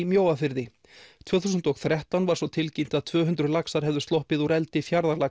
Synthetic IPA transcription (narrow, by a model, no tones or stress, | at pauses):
mjoːwafɪɾðɪ | t̪ʰvœːθusʏnt̪ɔɣθɾɛht̪awnvaɾ̥svɔt̪ʰɪlcim̥t̪aðt̪ʰvœːɦʏnt̪ɾʏlaksaɾ̥ɦɛvðʏ̥st̪ɔhpɪðuɾɛlt̪ɪfjaɾðaɾla